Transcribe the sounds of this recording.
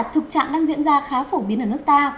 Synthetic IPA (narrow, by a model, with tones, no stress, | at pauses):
t̚t̪ʰɨ˨˩k̚t͡ɕa̰ː˧˨ŋɗaː˧ŋzḭ˧˥nzaː˧xaː˨˦fo˧˩ɓi˨˦ənʔəː˧˩nɨ˦˥k̚t̪aː˧